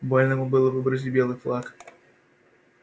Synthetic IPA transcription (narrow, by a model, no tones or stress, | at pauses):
bɔlʲnɐmubɨlˠɐvɨbɾɐzʲidʲbʲɛlˠɨflˠak